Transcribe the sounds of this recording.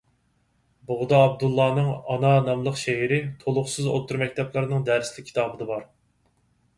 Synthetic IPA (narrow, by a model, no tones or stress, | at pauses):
boʁd̪ɑːb̚d̪ulˠːɑːnɨŋɑnɑnɑmlˠəqʃeɦɪɾɪt̪ʰolˠʊχsɨzo̰t̪ʰːuɾmɛk̚ʲt̪ʰɛplˠɨɾnɨŋd̪æɾslɪkʲʰːi̥t̪ʰɑːbɨd̪ɑbɑɾ